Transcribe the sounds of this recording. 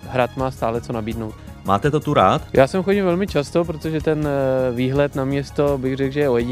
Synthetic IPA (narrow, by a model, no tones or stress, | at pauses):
ɦɾat̪maːst̪aːlɛt͡sonabiːdnowt̪ | ma̰ːt̪ɛt̪ot̪uɾaːt̪jʔaːsɛmxoɟɪmvɛlmɪt͡ʃast̪o̞p̬ɾot̪oʒɛt̪ɛnviːɦlɛt̪namɲɛst̪o̞bɪɣrɛkʒɛjɛojɛ